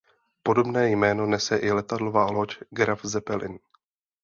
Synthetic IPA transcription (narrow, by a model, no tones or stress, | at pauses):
po̞do̞bnɛːjmɛːno̞nɛsɛʔɪlɛt̪adlovaːlo̞t͡ʃɡɾafzɛpɛlɪ̰n